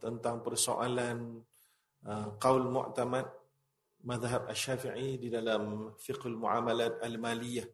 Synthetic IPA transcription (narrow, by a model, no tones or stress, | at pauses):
t̪ənt̪aŋpərso̰ʔalan | əqawlmṵʔt̪amat̪̚ | maðɦab̚aʃːafiʕididalamfiqhalmuʕa̰malat̪almalijah